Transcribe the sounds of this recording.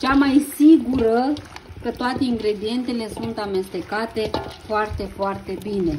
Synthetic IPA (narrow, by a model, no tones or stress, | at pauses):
t͡ʃamajsiɡuɾəkət̪oat̪e̞iŋɡɾe̞d̪ie̞nt̪ele̞sunt̪ame̞st̪e̞kat̪e̞foart̪e̞foart̪e̞bine̞